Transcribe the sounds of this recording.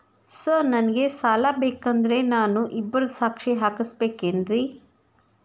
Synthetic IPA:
sɐɾnɐnɐɡe̞saːlabeːkɐnd̪ɐɾe̞naːnuʔibːɐɾɐsaːkʂiɦaːkisbeːkeːnɾi

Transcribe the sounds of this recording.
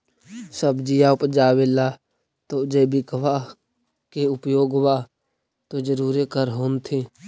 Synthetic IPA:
səbd͡ʒijaʊpd͡ʒaːwela | t̪od͡ʒebʱɪkʋa | keʊpjoːɡwa | t̪od͡ʒəɾuːɾekəɾɦoːnt̪ʰe

